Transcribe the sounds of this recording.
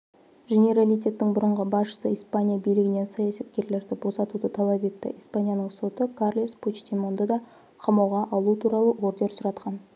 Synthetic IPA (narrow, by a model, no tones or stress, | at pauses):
ʒe̞nʲe̞ɾalijt̪̬ʲe̞t̪ːɪŋbʊɾəɴʁəbɑsʃə̥səijspanʲijabijlɪɡʲɪne̞nsɑjasɑt̪kʲe̞ɾle̞ɾd̪ɪbo̞sɑt̪ud̪ət̪ʰɑlˠɑpe̞t̪ːɪ̰ʔijspanʲijanəɴso̞t̪əkʰarlˠisput͡ʃt̪ʲinmo̞nd̪ɑd̪ɑ | qʰɑmɑwʁɑʔɑlˠut̪ʰuɾɑlˠəʔo̞ɾd̪e̞ɾsʊɾɑt̪qɑn